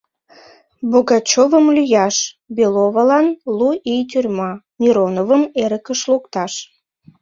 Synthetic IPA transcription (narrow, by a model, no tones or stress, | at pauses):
boɣɑt͡ɕovəmlyjɑʃ | belovəlɑnluʔijt̪ʲyrʲmɑ | nʲiɾonovəmeɾəkəʃlokt̪ɑʃ